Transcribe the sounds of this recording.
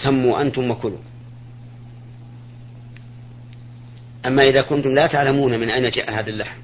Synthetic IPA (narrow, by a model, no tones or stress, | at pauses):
samːuːʔa̰nt̪ʊmwakʊlʊ̰ | ʔamːaːʔɪðaːkʊnt̪ʊmlaːt̪aʕlamuːnamɪnʔajnad͡ʒa̰ʔaɦaːðalːaħm